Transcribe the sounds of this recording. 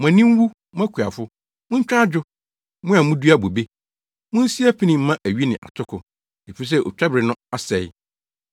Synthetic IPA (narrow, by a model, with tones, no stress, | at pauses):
m˨ã˨nĩ˦m˦wu˦ | mʊ̃˦æ˦kʰu˨a̰˨fʊ˦ | mʊ̃˦ɲ̩˦t͡ɕᶣa˦d͡ʑᶣʊ˦ | mʊ̃˦a˨mũʊ̃˦du˦a˦bo˨be˦ | mʊ̃˦n̩˦si˦æ˦pʰi˦nĩ˨m̩˦mã˦ʔæ˨ɥi˦nɪ̃˨ʔa̰˨tʰʊ˦kʰʊ˨ | e˨fi˦s̬ɛ˦ʔo̰˨t͡ɕᶣɛ˦bɾɪ˨nʊ̃˦a˦sɛ˨j